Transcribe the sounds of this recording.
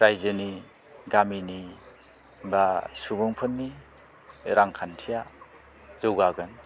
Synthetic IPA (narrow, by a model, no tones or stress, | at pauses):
ɾajzɯni | ɡamini | basubɔŋpʰɯnmi | ɾaŋkʰantʰija | z̥ɯwɡaɡɯn